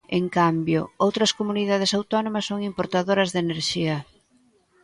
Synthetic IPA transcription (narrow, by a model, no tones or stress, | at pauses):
ḛŋkambjo̰owt̪ɾɐskomuniðað̞ɪsawt̪ɔnomɐsːoŋimpoɾt̪aðoɾɐzðeneɾʃiɐ